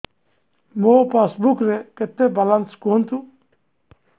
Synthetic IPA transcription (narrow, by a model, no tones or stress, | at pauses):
mopasbukɾeket̪ːebalanskoːnt̪u